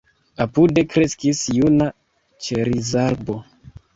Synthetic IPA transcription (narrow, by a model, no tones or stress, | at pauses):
apude̞kɾe̞skisjuna | t͡ʃeɾizaɾbo̞